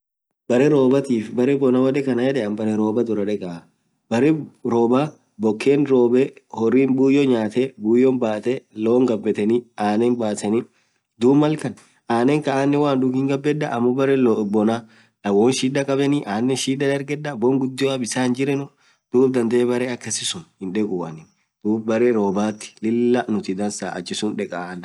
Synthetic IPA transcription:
b̥ɐɾɛɾo̞ːbɐt̪iːfbɐɾɛbɔnawɐᶑɛkɐnɐjɛᶑɛʔɐnbɐɾɛɾo̞ːbɐd̪ʊɾɐᶑɛkɐ | bɐɾɛɾoːbaː | bɔkːeːnɾoːbehɔrːiːnbuːjːoɲaːt̪ebuːjɔnbaːt̪ɛloːŋɡɐbːɛt̪ɛniaːnɛnbaːsɛnɪ | d̪uːbmɐlkɐn | aːnɛŋkɐʔaːnːɛwaːnd̪ʊɡɪŋɡɐbːɛd̪ːɐʔɐmːʊbɐɾɛlbɔna | lɐwoːnʃiːd̪ɐkʼɐbɛniːʔaːnːɛʃiːd̪ɐd̪ɐɾɡɛd̪ːɐbɔŋɡʊd̪ːɪjɔɐbɪsaːnd͡ʒɪɾɛnʊ | d̪̥uːb̚d̪ɐnd̪eːbɐɾeːɐkːɐsɪsʊnhɪnᶑɛkʼuːʔɐ̰nɪn | d̪̥uːbbɐɾeɾoːbaːt̪ːɪ̥lɪlːɐnʊt̪ɪd̪ɐnsa̰ːʔɐ̰t͡ʃːɪsʊnᶑɛkʼaʔn

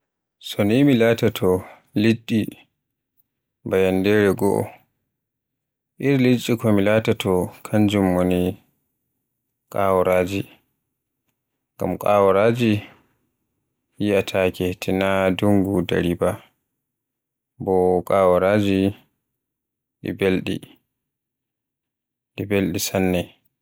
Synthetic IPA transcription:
sɔnimilatatʰɔ | lit͡ʃːi | bajandɛɾɛɡɔ̰ʔɔ̰ | ʔiɾlit͡ʃʼːikɔmilatatʰɔkʰaɲd͡ʒumːoni | kʼawɔɾaːd͡ʒi | ɡ̥a̰mkʼawɔɾad͡ʒi | jiatʰakehtʰinaduŋɡuda̰ɾiba | bɔkʼaːwɔɾad͡ʒi | ɗḭbelɗḭ | ɗibelɗisanːɛ

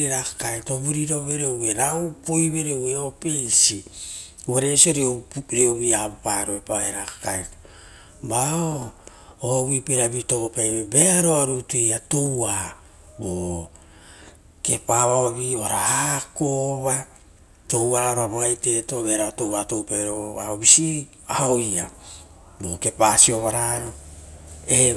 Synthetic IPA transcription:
eɾakakaetoβuɾiɾo̞βe̞ɾewɡeɾawpojβe̞ɾeweopejsi | βaɾesio̞ɾioɾioβiabopaɾoepaheɾakḁkajto | bao | oβipeɾabito̞ɡopajβebeaɾoaɾutuejato̞wa | bo | ke̞paβaoβioaɾahakoβa | to̞waoɾaboajte̞to̞be̞ɾaotowato̞wpeɾoaobisi | aoja | boke̞pasio̞βaɾaɾo | e

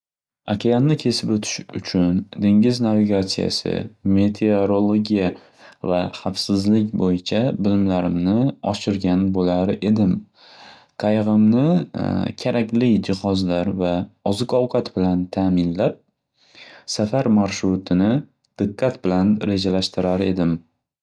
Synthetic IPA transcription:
akʲʰejanːɪkʲʰe̞sɪpɵt̪ʰɪ̥ʃʊt͡ʃʰʊnd̪e̞ŋʲɪznaviɡʲat̪sija̰sɪ̰me̞t̪ʰeoɾolˠoɡʲija | vaχafsɪzlɪk̬ʲbojɪt͡ʃʰabɪlɪmlaɾɪmnɪɒʃɪɾɡʲanbolaɾɪʔe̞d̪ɪm | qʰɑjʁɨmnɪkʲʰaɾʔakʲlɪd͡ʒɪhɒzlaɾvaɒzɪkɒwqʰɑt̪bɪlant̪ʰamɪnlap̚ | safaɾmaɾʃɾʊt̪ʰɪnɪ | d̪̥ɨqʰːat̪bɪlanɾe̞d͡ʒalaʃt̪ɪɾaɾe̞d̪ɪm

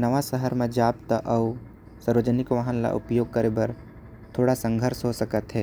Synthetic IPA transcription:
nɐʋasəɦəɾmẽd͡ʒaːpt̪əʔɐu | səɾʋəd͡ʒənɪkʋaɦənla̰ʔʊ̰pjoːɡ̚kəɾebəɾ | t̪ʰoːɽasə̃ŋɡʱəɾsɦosɐkət̪ɦɛː

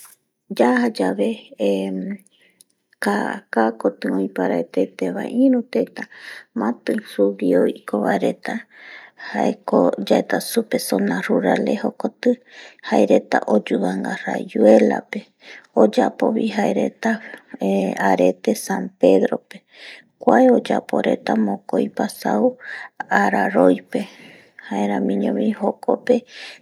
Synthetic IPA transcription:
d͡ʒahad͡ʒaβe | kakakot̪ɨõjpaɾaet̪et̪eβãĩɾũt̪et̪amãt̪ɨ̃suβioikoβaeɾe̞t̪a | haekod͡ʒaet̪asupesonaruɾalehokot̪ɨhaeɾe̞t̪aʔod͡ʒuaŋɡara̰d͡ʒue̞la̰pe̞ | od͡ʒapoβiɦaeɾe̞t̪a | aɾe̞t̪esãmpe̞ðɾope | kʷaeod͡ʒapo̞ɾe̞t̪amõkojpasauaɾaɾojpe̞ | haeɾãmĩɲõβihokʰope̞

